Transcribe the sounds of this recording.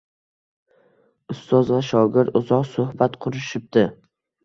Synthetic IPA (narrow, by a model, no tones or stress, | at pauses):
ʊst̪ɒzvaʃɒɡʲɪɾt̪ʊzɒqsʊhbat̪qʰʊɾɪʃɪp̚d̪ɪ